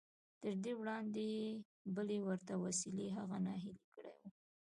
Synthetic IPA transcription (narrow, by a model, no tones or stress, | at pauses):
t̪əɾd̪ewɽɑnd̪e | bəlewəɾt̪awasileɦaɣanɑɦɪlikəɽa̰jwu